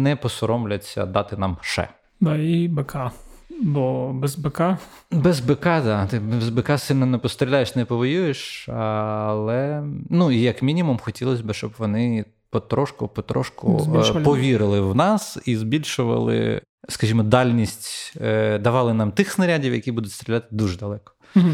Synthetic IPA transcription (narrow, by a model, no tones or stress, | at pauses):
nɛpɔsɔɾɔmlʲɐt͡sʲːɐ̰d̪ɑt̪ɪnɑmʃɛ̰ | d̪ɑibɛkʰɑbɔbɛzbɛkɑ | bɛzbekɑd̪ɑt̪ɪbzbekɑsɪlʲnɔnɛpɔst̪ɾʲilʲajeʃnɛpɔʋɔjujeʃɐlˠɛnuijɐkmʲinʲimumxɔtʲilˠɔsʲbɪʃt͡ʃɔbʋɔnɪ | pɔt̪ɾɔʃkʊpɔt̪ɾɔ̰ʃkʊ̰zbipɔʋʲiɾɪlˠɪwnɑsizbʲilʲʃʊʋɐ̰lˠɪ̰ | skɐʒʲimɔd̪ɑlʲnʲisʲtʲd̪ɐʋɑlˠɪnɑmt̪ɪxsnɐɾʲadʲiwjɐkʲibud̪ʊtʲst̪ɾʲɪlʲat̪ɪ̥d̪uʒɛd̪ɐlˠɛkɔ̥